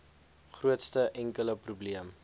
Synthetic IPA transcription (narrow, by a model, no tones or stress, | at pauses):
χruətstəʔɛŋkələprubliəm